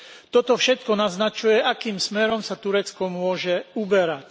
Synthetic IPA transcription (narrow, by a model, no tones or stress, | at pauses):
t̪ɔt̪ɔfʃɛt̪kɔnaznat͡ʃujɛʔakiːmsmɛɾɔmsat̪uɾɛt͡skɔmʊɔʒɛubɛɾac